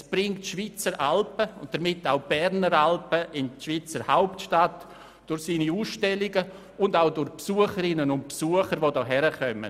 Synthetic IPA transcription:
sb̥ɾɪŋtʃvit͡səɾʔalpəʊnt̚d̥əɾmɪtːaʊb̥ɛɾnəɾalpəʔɪnʃviːt͡səɾhaʊptʃtat | d̥ʊɾsiːniuːsʃtɛlɪɡə | ʊndaʊdʊɾpsuəχəɾɪnənʊnt̚psuəχəɾvoːdɔːɦɛɾəχœmə̰

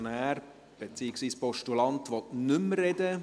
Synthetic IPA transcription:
næːɾ | b̥et͡siːəksʋiːspɔʃtulɑntʋɔtnʏmɾɛdə

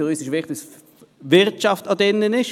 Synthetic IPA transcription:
əʁyːsɪʃʋɪχtɪs | vɪʁtt͡ʃɑftɑd̪ɛnːənɪʃ

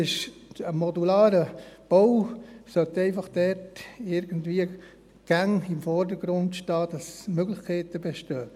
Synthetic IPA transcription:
ɪʃəmɔdulɑːɾəb̥owsœtɛɪfɑχd̥ɛtɪɾɡ̥əndviə | ɡ̥æŋɪmfɔɾdəɡ̥ɾʊndʃtɑːd̥ɑsmøɡlɪxkʰɛɪtəbɛʃtœː

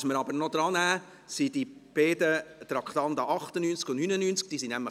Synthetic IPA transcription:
sməɾɑbəɾnod̥̪ɾɑnæː | sidib̥eːdət̪ɾɑkχt̪ɑnd̪ɑʔɑχtənynt͡skʊnnyːnənynt͡sk̚d̥iːsinæmlə

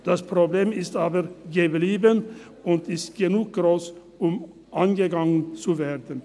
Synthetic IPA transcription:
d̥aspʁ̥obleːmɪstaːbəʁɡəbliːbən | ʊntɪstɡ̥ənuːk̚ɡ̥ʁoːs | ʊm | ʔanɡəɡaŋənt͡suveːʁdən̩

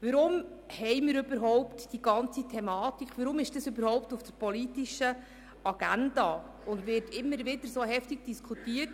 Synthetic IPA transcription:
ʋəɾʊmhɛɪmɪɾʏb̥əɾɦɔwptd̥iɡ̥ɑnt͡sitʰɛmɑːtikχʋəɾʊmɪʃd̥ɑsøbəɾhɔʊp̚tufd̥əɾpɔlitiʃə | ɑɡ̥ændɑː | ʊndvɪtʰɪmːəɾʋɪdəɾsoːhɛftiɡ̚d̥iskʰχutiːət

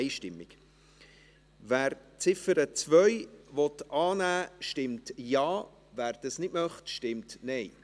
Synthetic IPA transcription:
ɪʃtɪmːɪk | væːɾt͡sɪfəɾət͡svœʏvɔtʔɑːnæːʃtɪmtjɑː | væːɾd̥ɑsnɪtmœχtʃtɪmtnɛɪ

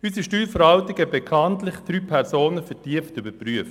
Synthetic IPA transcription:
ysiʃtyːlfəɾhɑltɪɡəbekʰɑntlɪχd̥ɾyːpʰɛʁsoːnəfɛtiəftybəpryəf

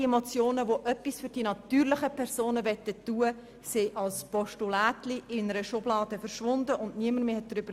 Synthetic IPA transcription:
ɛmɔt͡sjoːnəʋoʔœpːisfʏɾd̥iːnɑtyːʁlɪχəpʰɛʁsoːnəvɛtːətːuːə | sɪʔɑlspɔʃtulaːtliʔɪnəɾəʃʊblɑːdəfəɾʃʋʊndəʔʊndniəməɾmeːhɛt̚d̥ɾʏb̥əɾ

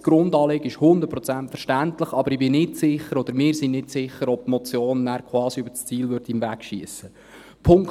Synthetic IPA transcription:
ɡ̥ɾʊndɑːleɡəɪʃhʊnd̪əɾt̚pɾɔt͡sæntfəɾʃtænt̪ləχɑbəɾibɪnɪtsɪχəɾɔd̪əɾmɪːɾsiŋnɪtsɪχəɾɔb̚tmɔt͡sjoːnnæːɾkʰχwɑːsiøbəst͡siːlvʏɾdiɪmvækʃiəsə | pʰʊŋk

